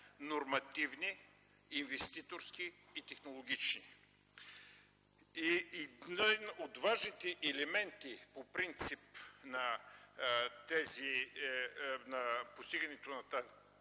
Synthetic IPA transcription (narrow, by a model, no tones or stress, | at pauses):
noɾmɐt̪ivniː | nvɛst̪it̪oɾskiːt̪ɛxnolˠoɡʲit͡ʃni | innot̪vaʒnit̪ɛʔɛlɛmɛnt̪ipopɾint̪sipnɐ | t̪ɛzi | nɐpost̪iɡɐnɛt̪onɐt̪az